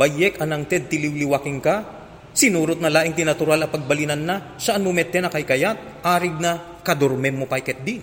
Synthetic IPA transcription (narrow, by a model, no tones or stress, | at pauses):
bɐjɛkɐnɐŋt̪ɛd̪̚t̪ɪliwlɪwakɪŋkɐ | sɪnuːɾot̪̚nɐlaːʔɪŋt̪ɪnɐt̪ʊɾalɐpɐɡ̚bɐlinɐnːɐ | sɐʔanmʊmɛt̪ːɛnɐkɐjkɐjat̪̚ʔaːɾɪɡ̚nɐ | kɐd̪oɾmɛmːopajkɛt̪̚d̪i